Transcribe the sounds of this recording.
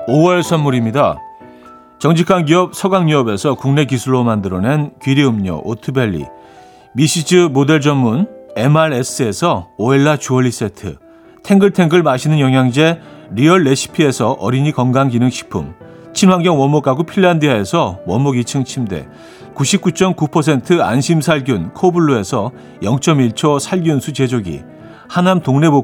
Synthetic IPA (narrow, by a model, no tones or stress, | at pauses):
owʌɭsʰʌnmːuɾimɲida | t͡ɕʌŋd͡ʑʰikʰanɡiʌp̚sʰʌɡaŋɲuʌbe̞sʰʌkuŋne̞kisʰuɭːomandɯɾʌne̞nkɥiɾiɯmɲo̰ʔotʰɯbe̞ʎːḭ | miɕ͈ʰid͡ʑɯmode̞ɭd͡ʑʌnmune̞maɾes͈ɯe̞sʰʌoeɭːat͡ɕuʌɭːis͈etʰɯ̰ | tʰe̞ŋɡɯɭtʰe̞ŋɡɯɭmaɕʰinɯnjʌŋɦjaŋd͡ʑe̞ɾiʌɭːe̞ɕʰi̥pʰie̞sʰʌʔʌɾiɲikʌnɡaŋɡinɯnɕʰi̥pʰṵm | t͡ɕʰinwaŋɡjʌŋwʌnmːokaɡopʰiɭːandiae̞sʰʌwʌnmːoɡit͡ɕʰɯŋt͡ɕʰimde̞̰ | kuɕʰip̚k͈ut͡ɕ͈ʌmkupʰʌsʰe̞ntʰɯa̰nɕʰimsʰaɭɡjunkʰobuɭːoe̞sʰʌ | jʌŋt͡ɕ͈ʌmiɭt͡ɕʰʌsʰaɭɡjunsʰut͡ɕe̞d͡ʑoɡḭ | hanamtoŋne̞bo